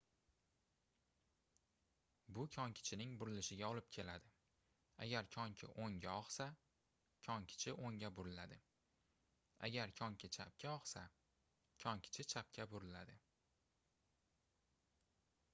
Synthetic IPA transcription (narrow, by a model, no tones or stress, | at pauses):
bʊkʲʰɒŋkʲʰɪ̥t͡ʃʰɪnɪŋbʊɾɪlɪʃɪɡʲaɒlɪp̚kʲʰe̞lad̪ɪ | a̰ɡʲaɾkʰɒŋkʲʰɪ̰ʔoŋɡʲaɒχsa | kʲʰɒŋkʲʰɪ̥t͡ʃʰɪʔoŋʲabʊɾɪlad̪ɪ | a̰ɡʲaɾkʰɒŋkʲʰɪt͡ʃʰap̚kʲʰaɒχsa | kʲʰɒŋkʲʰɪ̥t͡ʃʰɪt͡ʃʰap̚kʲʰabʊɾɪlad̪ɪ